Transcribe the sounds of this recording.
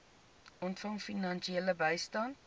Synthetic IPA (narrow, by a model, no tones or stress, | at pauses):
ɔntfɐŋfinɐnʃieləbəjstɐnt̚